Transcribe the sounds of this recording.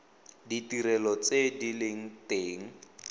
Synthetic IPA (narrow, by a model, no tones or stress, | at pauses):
ditiɾɛlɔt͡sedileŋ̩teːŋ̩